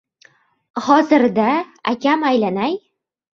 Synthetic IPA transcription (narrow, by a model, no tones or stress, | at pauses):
χɒzɪɾd̪aa̰kʲamajlanaj